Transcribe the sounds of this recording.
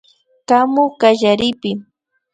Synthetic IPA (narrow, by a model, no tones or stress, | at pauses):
kamokaʒaɾɪpɪ